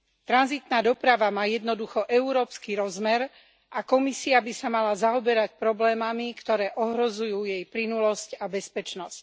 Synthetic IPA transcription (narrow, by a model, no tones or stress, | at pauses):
t̪ɾanzit̪naːd̪ɔpɾaʋamaːjɛd̪nɔd̪uxɔʔɛuɾɔːpskiɾɔzmɛɾ | ʔakɔmisiabisamalazaɔbɛɾacpɾɔblɛːmamikt̪ɔɾɛːʔɔɦɾɔzujuːjɛjplinulɔscabɛspɛt͡ʃnɔsc